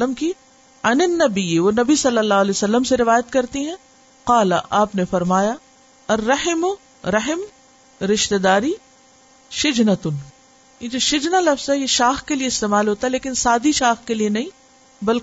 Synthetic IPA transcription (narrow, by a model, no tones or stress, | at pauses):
əmki | ɐnɪnːɐbɪjːʋoːnɐbisɐlːɐlːaːɦɐleːosɐlːəmseɾɪʋaːjət̪kɐɾt̪iɦɛ̃ | qaːlɐʔaːpnefɐɾmaːja | ɐrːɐhɪmʊ | ɾɐɦɪm | ɾɪʃt̪ed̪aːɾi | ʃɪd͡ʒnɐt̪ʊn | jed͡ʒoːʃɪd͡ʒnalɐfz̥ɦɛjeʃaːxkelieɪst̪eːmaːlɦoːt̪aɦɛleːkɪnsaːd̪iʃaːxkelienɐɦĩ | bɐlk